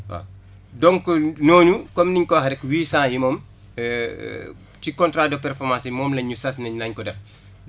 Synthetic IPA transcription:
wa̰ | dɔŋknɔːɲukɔmniɲkɔxɾɛkwiːsãːjimɔːm | tikɔ̃ntɾaːdɔpɛrfɔɾmãnsimɔːmlɐɲɲusasnɛɲnaɲkɔdɛf

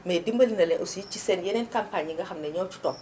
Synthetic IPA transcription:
medimbɐlinɐleʔosjit͡ʃisenjenenkampaɲiŋɡɐxɐmneɲot͡ʃu̥to

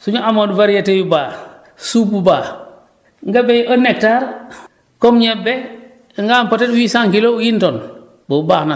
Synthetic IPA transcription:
suɲoamoduvaɾjatejubaː | sububa | ŋɡabeʔonek̚taɾ | komɲɛbːe | ŋɡampateduwisãŋkiloujinton | bobahna

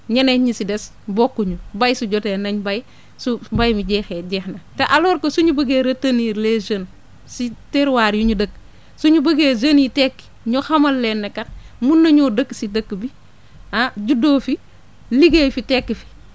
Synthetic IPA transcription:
ɲenehɲisidɛs | bɔkːuɲubajsuɟɔteːnɐɲbaj | subajmiɟɛːxeːɟɛːxnɐteʔalɔːɾkosuɲubəɡeːɾɐtɐniːɾlezən | siteɾwaːɾjuɲudəɡ | suɲubəɡezɐnitekː | ɲuxɐmɐlːenːekɐt̚munːɐɲudəkːsidəkːbi | aɟudoːfi | liɡeːfitekːifi̥

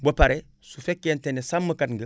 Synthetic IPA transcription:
bopaɾe | sufekːentenesamːəkatŋɡə

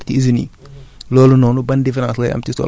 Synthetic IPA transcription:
tizunḭlɔːlunɔːnubɐndifinaslɐ̰jɐ̰mtisɔ̰

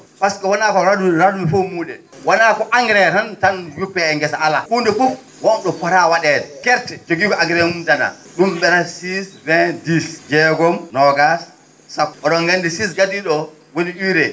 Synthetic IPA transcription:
paskawanakɔɾaduɾaduifomuːɗɛ̰ | wanakɔʔaŋɡɾɛtantanjupːɛɛŋɡɛsaala̰kuːndɛfuf | wɔnɗɔpɔɾawaɗɛdɛkɛɾtɛd͡ʒoɡiːkɔʔaɡɾɛmumdana̰ | ɗumɓɛɾasisvɛdisd͡ʒɛɡɔmnɔɡas | sakːɔɗɔŋɡandisis̬ɡadiɗɔ | woniɗuːɾɛ

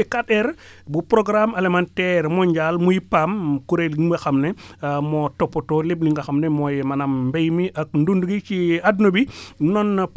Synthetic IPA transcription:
katɛɾ | bupɾoɡɾamalemantɛɾmɔɲɟaːlmujipamkuɾelɡiŋɡaxamnemotopːotoleb̚niŋɡaxamnemoːjɛmanamːbejmiʔak̚ndunduɡit͡ʃiadnobinɔnːp

